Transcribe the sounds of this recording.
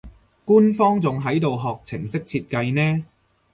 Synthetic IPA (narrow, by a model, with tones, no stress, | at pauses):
kuː˥nfɔː˥ŋt͡sʊ˨ŋɦɐ˨˥jt̪o˨wɦɔː˨k̚t͡sʰɪ̰˨˩ŋsɪ˥k̚t͡sʰiː˧t̚kɐ˧jnɛː˥